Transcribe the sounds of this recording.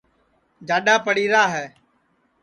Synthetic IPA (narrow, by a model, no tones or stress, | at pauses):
d͡ʒaːɗaːpəɽiːɾaːɦɛː